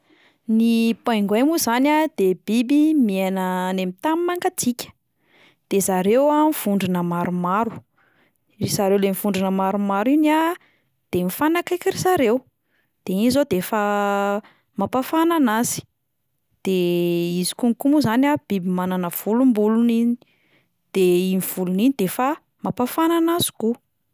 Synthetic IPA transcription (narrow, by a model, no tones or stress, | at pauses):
nipajŋɡemuzanad̪̥ebibimienənemit̪amimaŋɡat͡sikʲə̥ | d̪̥ezaɾewamiv̥uɳɖ͡ʐinəmaɾumaɾu̥ | rizaɾewlemivuɳɖ͡ʐinəmaɾumaɾina | d̪̥emifanakajkiɾizaɾew | d̪̥einizod̪efa | mapafananazi̥ | d̪̥eizi̥kuŋikumuzanab̥ibimananəv̥ulumbulunini | d̪̥einiv̥uluninid̪efa | mapafananazi̥ku